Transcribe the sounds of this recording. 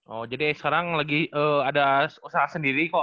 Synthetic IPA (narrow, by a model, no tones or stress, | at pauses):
ɔd͡ʒadiasə̥kaɾaŋlaɡiʔəːadausaɦasəndiɾikɔ